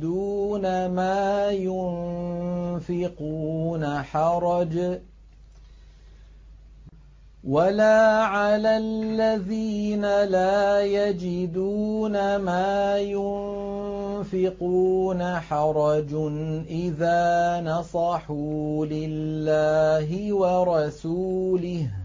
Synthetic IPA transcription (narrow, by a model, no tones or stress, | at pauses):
d̪uːnamaːjʊn | fɪquːnaħɑɾˤɑd͡ʒ | walaːʕalallːaðiːnalaːjad͡ʒɪd̪uːnamaːjʊnnfɪquːnaħɑɾˤɑd͡ʒnʔɪðaːnɑsˤɑħuːlɪlːaːɦɪwɑɾˤɑsuːlɪh